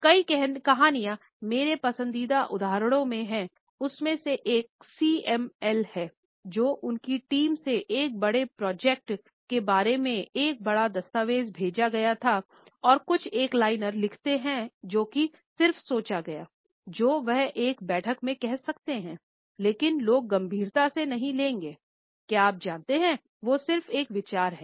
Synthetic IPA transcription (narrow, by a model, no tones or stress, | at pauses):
kɐikɛɦnkɐɦaːnijã | meːɾepɐsə̃nd̪iːd̪aʔʊd̪ʱaːɾɽ̃õmẽɦɛ̃ | ʊsmẽseʔeːk̚siːɛmɛlhɛː | d͡ʒoːʔʊnkiʈiːmseʔeːk̚bɐɽepɾɔːd͡ʒɛk̚ʈ | kebaːɾemẽʔeːk̚bɐɽad̪ɐst̪aːʋeːzbʱeːd͡ʒaɡɐjat̪ʰa | ɔːɾkʊt͡ʃʰeːklaːɪnəɾlɪkʰt̪eɦɛ̃d͡ʒoːki | sɪɾfsoːt͡ʃaɡɐjaː | d͡ʒoːʋɛɦeːkbɛːʈʰəkmẽkɛɦsɐkt̪eɦɛ̃ | leːkɪnloːɡːɐ̃mbʱiːɾt̪asenɐɦĩlẽːŋɡeː | kjaːp̚d͡ʒãːnt̪eɦɛ̃ | ʋoːsɪɾfeːkʋɪt͡ʃaːɾɦɛː